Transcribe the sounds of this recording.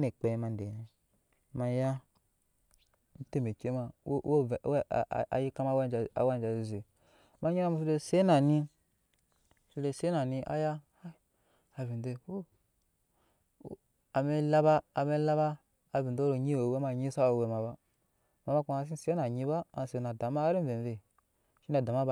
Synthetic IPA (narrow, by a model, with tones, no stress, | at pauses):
ne˨k͡pe˨˦ma˧n˦de˨na˨ | ma˧ja˦ | n̩˦te˦me˨ke˦ma˧˦o˦˨˦a̰˨ji˦ka˦ma˧˦wa˦nd͡ʒa̰˨˦wa˦n˨d͡ʒa˨zi˨zi˨ | ma˧ɲi˦a˦ma˧˨su˧de˧se˦na˨ni˧˨ | su˧de˧˨se˦na˨ni˧ʔa̰˦ja˦ | a˦ | a˨vi˨de˧wo˦˨ | a˨me˧la˦baː˦˨me˦la˦baː˦˨ | vi˨ndo˦ɾo˨ɲi˦o˨we˦ma˧ɲi˦sa˦o˨we˧˨ma˨ba˦ | ma˨ma˦ku˦ma˨˦s̬i˦se˦na˨ɲi˧ba˦˨se˧na˨da˨ma˦ɾi˦ve˨ve˨ | ʃi˦na˨da˨ma˦b